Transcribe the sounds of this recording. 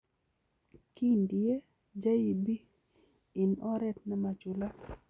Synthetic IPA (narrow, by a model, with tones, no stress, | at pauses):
ki˦ndie˦ | d͡ʒa˦ji˨bi˦ | ɪ˨nɔ˦ɾɛ˦t̪̚na˦ma˨t͡ʃʊ˨la˦